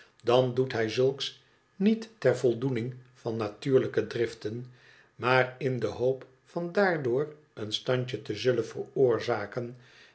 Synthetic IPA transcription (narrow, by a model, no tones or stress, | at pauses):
dɑndutɦɛjzɵlˠks | nitːɛrvɔlˠdunɪŋvɑnːatyːɹləkədrɪftən | maːrɪndəɦowp | fɑndaːɹdʊːr | ənstɑɲcətəzɵlənvərʊːɹzaːkən